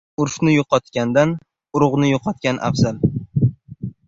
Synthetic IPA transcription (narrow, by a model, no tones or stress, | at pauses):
ʊɾʃnɪjoqʰɒt̪kʲand̪an | ʊɾʊʁnɪjoqʰɒt̪kʲanʔa̰fzal